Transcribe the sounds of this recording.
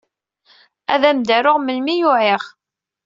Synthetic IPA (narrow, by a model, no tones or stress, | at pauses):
æ̰ðæmd̪æɾʊʁməlmijʊʕiʁ